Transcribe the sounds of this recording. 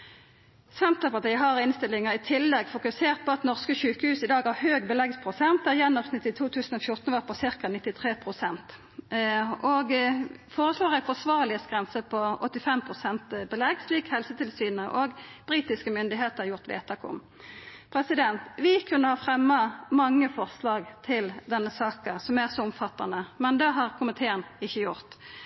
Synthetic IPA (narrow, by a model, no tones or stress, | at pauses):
sɛnt̪ɑpɑt̪æɪɦɑʁɪnst̪ɪlɪŋəʁɪt̪ʰɪlːɛɡfʊkʉseːʁt̪̚pɔɑt̪nɔʁskəɕʉːkəhʉːsɪd̪ɑːɡɑʁhøːɡbəlɛɡspʰʁʊsɛnt̪̚d̪æːʁjɛnːɔʁsnɪt̪ːɪt̪ʰuːt̪ʰʉːsn̩ɔfjʊʁt̪n̩ʋɑːʁpʰɔsɪʁkɑnɪt̪ːɪt̪ʰʁeːpʰʁʊsɛnt̪ | ʔoɡfoːʁəsloːʁæɪfɔsʋɑːʁlɪəsɡʁɛnsəpʰɔɔt̪ːɪfɛmpʰʁʊsɛnt̪bəlɛɡsliːkhɛlsət̪ʰɪlsyːnəʔoːɡb̥ʁiːt̪ɪskəmʏnd̪ɪɦeːt̪əʁjʊʁt̪ʋḛːt̪ʰɑkʊ̰m | pʰʁɛsɪd̪ɛnt̪ʋɪkʰʉnːəhɑːfʁɛmːɑmɑŋːəfɔʁslɑːɡt̪ʰɪld̪ɛnːəsɑːkəsɔmæʁsɔʊmfɑt̪ːɑ̰nəmɛnd̪ɛɦɑʁkʰʊmənt̪ʰeːənɪçːəjʊʁt̪